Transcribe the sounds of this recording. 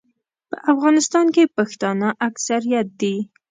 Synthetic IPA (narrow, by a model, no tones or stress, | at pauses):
pə̰ʔafɣɑnɪst̪ɑnkepaxt̪ɑnaʔaksaɾijat̪̚d̪i